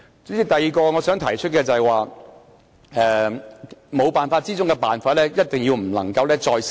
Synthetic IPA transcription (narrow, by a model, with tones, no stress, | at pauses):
t͡ssiː˨˧t̪ɐ˨jiː˨kɔː˧ŋɔː˨˧sœː˨˥ŋt̪ʰɐ˨˩jt͡ʃʰɵ˥t̚kɛː˧t͡sɐ˨hɛ˨jwaː˨ | ɛː˨˧ | mo˨˧wpaː˨nfaː˧t̚t͡siː˥t͡sʊ˥ŋkɛː˧paː˨nfaː˧t̚lɛː˥jɐ˥t̚t̪ɪ˨ŋji˧wm̩˨˩lɐ̰˨˩ŋkɐ˧wlɛː˥t͡sɔː˧js